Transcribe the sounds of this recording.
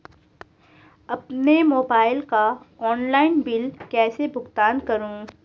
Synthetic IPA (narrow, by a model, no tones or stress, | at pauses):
ɐpnemoːbaːɪlka | ɔːnlaːɪnbɪlkɛːsebʱʊɡt̪aːnkɐɾũː